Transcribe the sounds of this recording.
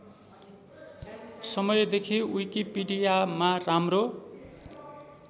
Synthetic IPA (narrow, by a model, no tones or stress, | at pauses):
sʌmʌjd̪ekʰiijkipiɖijamaramro